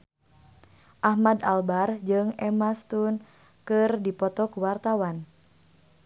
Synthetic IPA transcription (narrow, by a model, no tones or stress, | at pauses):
ʔahmadalbard͡ʒɨŋɛmast̪un | kɨrdipɔt̪ɔkuwart̪awan